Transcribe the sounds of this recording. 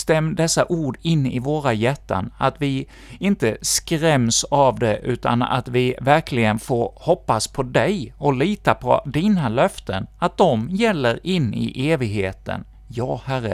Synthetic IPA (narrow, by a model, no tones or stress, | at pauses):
st̪ɛmːd̪ɛsːaʔuːɖɪnːɪvoːɾajɛt̪ːa̰nat̪vɪ | ɪnt̪əskɾɛmsavd̪ɛʔʉ̟ːt̪a̰na̰t̪vɪvæɾkʰlɪɡənfoːɾhɔpːaspʰɔd̪ɛjɔliːt̪apʰɔ̰d̪inalœft̪ənat̪̚d̪ɔmjɛlːəɾɪnːɪ̰ʔeːvɪɡɦeːt̪ə̰n | jɑːhæɾə